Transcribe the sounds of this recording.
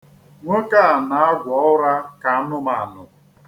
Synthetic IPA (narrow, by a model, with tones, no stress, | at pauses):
ŋʷʊ˦ka˦a˨na˨˦a˦ɡʷɔ˨˦ʊ˦ɾa˦ka˨a˦nʊ˦ma˨a˨nʊ˨